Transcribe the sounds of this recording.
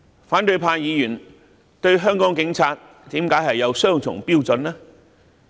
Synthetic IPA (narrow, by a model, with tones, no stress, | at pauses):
faː˨˥nt̪ɵ˧ɥpʰaː˧njiː˨˧jyː˨˩n | t̪ɵ˧ɥɦœː˥ŋkɔː˨˥ŋkɪ˨˥ŋt͡sʰaː˧t̚ | t̪iː˨˥mkaː˨˥jɦɐ˨jːɐ˨˧wsœː˥ŋt͡sʰʊ̰˨˩ŋpiː˥wt͡sɵ˨˧naː˥